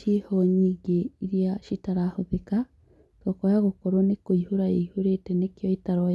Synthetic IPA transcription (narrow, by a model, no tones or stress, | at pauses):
ihoɲiɡeiɾijaʃitaɾahuðika | tokojaɣokoɾonekoihuɾajehuɾetenekjoitaɾoj